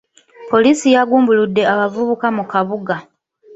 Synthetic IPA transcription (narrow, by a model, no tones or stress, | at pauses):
po̞liːsijaɡuːmbuludːe̞aβavuβukamukaβuɡa